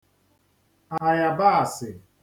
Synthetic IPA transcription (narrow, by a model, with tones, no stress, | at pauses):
a˨a˨ja˨ba˦a˨sɪ˨